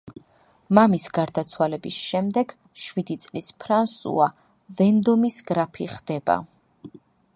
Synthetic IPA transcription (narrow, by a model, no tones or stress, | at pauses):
mamisɡaɾd̪at̪sʰwalɛbisʃɛmd̪ɛɡ̥ | ʃwid̪it̪sʼlispʰɾansṵa | vɛnd̪ɔmisɡɾapʰiχd̪̥ɛba̰